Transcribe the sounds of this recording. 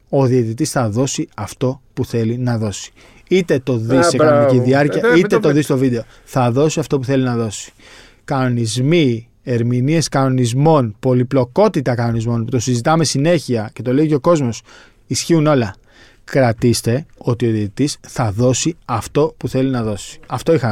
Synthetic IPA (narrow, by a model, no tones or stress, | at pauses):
o̞ðiet̪it̪isθɐðo̞siɐft̪o̞puθe̞linɐðo̞si̥ | it̪e̞t̪o̞ðissekɐnoniciðiɐɾciɐit̪et̪oðist̪o̞vid̪e̞o̞ | θɐðo̞siɐft̪o̞puθe̞linɐðo̞si̥ | kɐno̞nizmi | e̞ɾminie̞skɐno̞nizmo̞npo̞liplo̞ko̞t̪it̪ɐkɐno̞nizmo̞nput̪osizit̪ɐme̞sine̞çiɐce̞t̪o̞leico̞ko̞zmo̞s | isçiuno̞lɐ | kɾɐt̪ist̪e̞o̞t̪io̞ðiit̪isθɐðo̞siɐft̪o̞puθe̞linɐðo̞si̥ɐft̪o̞ixɐ